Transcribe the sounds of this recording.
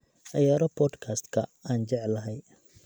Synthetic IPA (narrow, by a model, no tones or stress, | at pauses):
ʔɐjaːɾɔbʰɔːd̪kʰaːst̪kʰɐ̰aːnt͡ʃɛʕlɐɦɛj